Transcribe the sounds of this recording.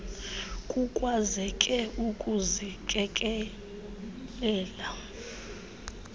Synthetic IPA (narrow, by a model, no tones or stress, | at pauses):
kʼukʼwazɛkʼɛukʼuzikʼɛkʼɛ | lɛːla